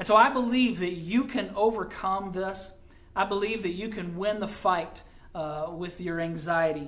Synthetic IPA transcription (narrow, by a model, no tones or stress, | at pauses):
ɨ̃nsoʊaɪbəlivðɨt͡ʃɨkʰɨ̃noʊvə˞kʰʌ̃mðɪs | aɪbəlivðɨt͡ʃɨkʰɨ̃nwɪ̃nðəfaɪt̚ | wɪðjə˞æ̃ŋzaɪɨɾi